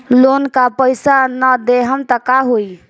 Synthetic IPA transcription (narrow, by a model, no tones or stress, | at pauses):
lonkapəjsanəd̪eɦəmt̪əkaɦoi